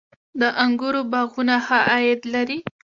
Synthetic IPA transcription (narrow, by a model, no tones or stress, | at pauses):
d̪əʔaŋɡuɾobɑɣunahaʔɑjɪd̪laɾi